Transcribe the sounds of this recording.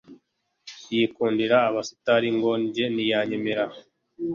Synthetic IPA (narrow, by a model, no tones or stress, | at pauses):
jikuːndiɾaːβasu̥taɾiŋɡo̞ɲɟe̞nijaɲe̞me̞ɾa